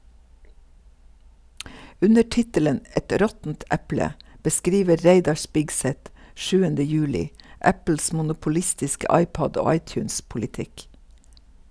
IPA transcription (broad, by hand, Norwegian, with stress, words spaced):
ˈʉnə ˈʈɪtələn ə ˈɛt ˈɾɔtn̩t ˈɛplə bəˈskɾiːʋə ˈɾeɪdɑ ˈʃpɪɡsɛt ˈʃʉːəndə ˈjʉːlɪ ˈʔæpl̩s ˌmʊnʊpʊˈlɪstɪskə ˈɑɪˌpɔd ˈoː ˈɑɪˌtjʉːnspʊlɪˌtɪk